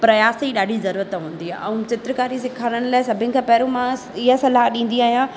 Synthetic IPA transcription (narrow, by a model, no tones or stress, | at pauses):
pɾɐjaːsiɗaːɖʱizɐɾuːɾət̪ɦũːn̆d̪iaɛ̃ũt͡ɕɪt̪ɾəkaːɾis̬ɪkʰaːɾəɽ̃ʊ̆laːɪsɐbʱɪnɪ̆kʰãpɐɦɾõmã | ɪɦəsɐlaɦɗĩːn̆d̪iaːɦijã